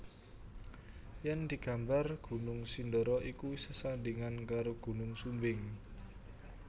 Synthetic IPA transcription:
jand̪̥i̤ɡ̥a̤mbarɡ̥ṳnʊŋsind̪əɾɔʔikusəsandiŋankaɾoɡ̥ṳnʊŋsumbɪŋ

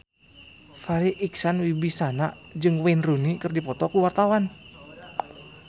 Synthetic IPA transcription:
faɾiʔiksanwibisanad͡ʒɨŋwɛnrunikɨrdipɔt̪ɔkuwart̪awan

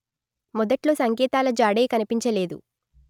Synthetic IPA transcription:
mɔd̪ɐʈlo̞ːsɐŋkɛːt̪aːlɐd͡ʒaːɽeːkɐnipiɲt͡ʃɐle̞ːd̪ṵ

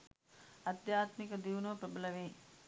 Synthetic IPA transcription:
ad̪jaːt̪mikəd̪iʋunɐʋpɾɐbəlɐʋeː

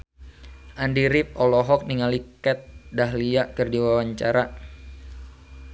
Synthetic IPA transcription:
ʔandiɾip̚ɔlɔɦɔk̚niŋalikɛt̪̚daɦliaʔkərdiwawaɲt͡ʃaɾa

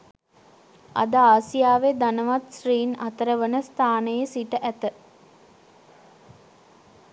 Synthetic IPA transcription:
a̰d̪aaːsijaːʋed̪anəʋat̪sriːnat̪əɾəʋənəst̪ʰaːnəjəsiʈəʔæt̪ə

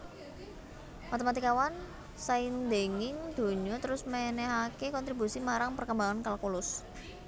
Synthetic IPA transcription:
mat̪emat̪ikawan | saind̪e̤ŋɪŋd̪̥o̤ɲɔt̪əɾʊsmɛnɛɦakekɔnt̪ɾibusimaɾaŋpərkəmbaŋankalakulʊs

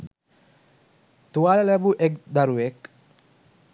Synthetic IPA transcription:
t̪uʋaːlɐlæbuʔekd̪ɐɾuʋek

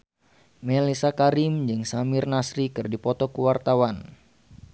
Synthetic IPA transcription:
mɛlisakaɾimd͡ʒɨŋsamɪrnasɾikɨrdipɔt̪ɔkuwart̪awan

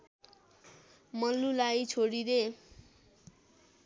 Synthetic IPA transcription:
mʌlulajt͡sʰoɽiɾe

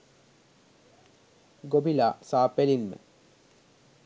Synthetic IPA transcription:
ɡobʱilaːsaːpelinmə̰

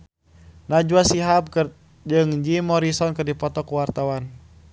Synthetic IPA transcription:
nad͡ʒuasiɦab̚k | d͡ʒɨŋd͡ʒimɔɾisɔnkɨrdipɔt̪ɔkuwart̪awan

